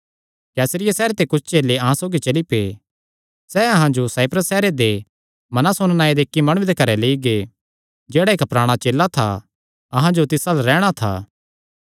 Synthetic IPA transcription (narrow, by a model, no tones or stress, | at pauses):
kɛːsəɾɪjasɛːɾet̪ekʊt͡ʃʰt͡ʃeːleɐɦãsoːɡit͡ʃɐlipḛː | sɛɐɦãd͡ʒosaːɪpʰɾəsːɛːɾed̪e | mɐnasoːɽ̃naːed̪eːkːimɐɽ̃id̪ekɐɾɛleːiɡe | d͡ʒeːɽaekɐpɾaːɽ̃at͡ʃeːlːat̪ʰa̰ | ɐɦãd͡ʒot̪ɪsalaɾɛːɽ̃at̪ʰa̰ː